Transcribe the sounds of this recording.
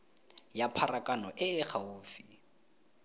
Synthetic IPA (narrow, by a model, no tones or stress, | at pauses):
japʰarakʼanɔʔɪːχʰauːfi